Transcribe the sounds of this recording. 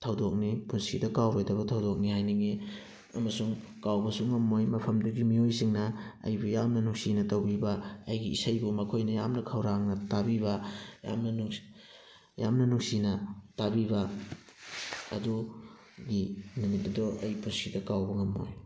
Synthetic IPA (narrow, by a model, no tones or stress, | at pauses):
tʰɐwdok̚nipunsidɐkawɾojdɐbɐtʰɐwdok̚nihajnɐŋe | ɐmɐsuŋ | kawbɐsuŋɐmːojmɐpʰɐmdɐɡimiojsiŋnɐɐ̰jbujamnɐnuŋsinɐtɐwbibɐɐjɡiisɐjbumɐkʰojnɐjamnɐkʰɐwɾaŋnɐtabiβɐja̰mnɐnuŋ | jamnɐnuŋsinɐtabibɐ | ɐ̰du | ɡinumit̚nɐdɔʔɐ̰jpunsidɐkawbɐŋɐmːo̰j